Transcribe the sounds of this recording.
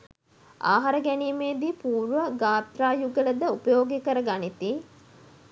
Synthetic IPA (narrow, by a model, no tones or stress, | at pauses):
a̰ːɦaɾəɡæniːmeːd̪iːpuːɾʋəɡaːt̪ɾaːjuɡələd̪əupəjoːɡikəɾəɡanit̪i